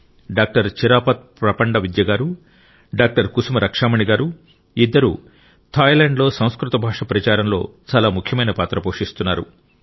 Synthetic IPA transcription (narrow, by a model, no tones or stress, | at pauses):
ɖaːk̚ʈɐɾt͡ʃiɾaːpɐt̪̚pɾɐpɐɳɖɐʋid̪jɐɡaːɾu | ɖaːk̚ʈɐɾkusumɐɾʔɐkʂaːmɐɳiɡaːɾu | id̪ːɐɾṵ | t̪ʰaːjleːɳɖlo̞ːsɐ̃w̃skɾut̪ɐbʱaːʂɐpɾɐt͡ʃaːɾɐmlo̞̰ːt͡ʃaːlaːmukʰjɐmɐjnɐpaːt̪ɾɐpoːʂist̪unːaːɾṵ